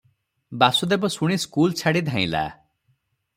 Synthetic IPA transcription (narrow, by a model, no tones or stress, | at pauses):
basud̪ebɔsuɽ̃iskult͡ʃʰaɽid̪ʱãĩla̰